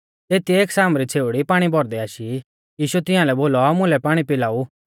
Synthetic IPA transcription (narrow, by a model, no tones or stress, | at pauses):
t̪eːt̪iːksaːmɾit͡sʰeːʊɽipaːɽ̃ibʱɔɾd̪ɛaːʃi | jiːʃuɛt̪ɪãlɛboːlɔmʊ̃lɛpaːɽ̃ipɪlaːu